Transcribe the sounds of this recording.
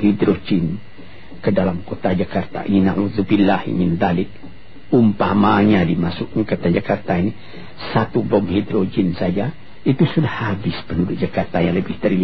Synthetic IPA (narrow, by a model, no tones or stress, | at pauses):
hidɾod͡ʒin | kədalamkot̪ad͡ʒakart̪a̰ʔḭninaʕuðubilːahḭminðalɪk̚ | umpamaɲadimasʊkɲkot̪ad͡ʒakart̪aini | sat̪ubɔmhid̪ɾod͡ʒinsad͡ʒa | it̪usudahːabɪspənudʊt̪̚d͡ʒakart̪ajaŋləbɪht̪əɾi